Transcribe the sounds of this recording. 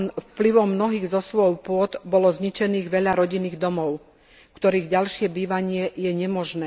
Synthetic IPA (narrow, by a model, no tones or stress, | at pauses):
nfpliʋɔmnɔɦiːɣzɔsʋɔʊpʊɔd̪bɔlɔzɲit͡ʃɛniːɣʋɛʎaɾɔɟiniːɣd̪ɔmɔʊ | kt̪ɔɾiːɣɟalʃɪɛbiːʋaɲɪɛjɛɲɛmɔʒnɛː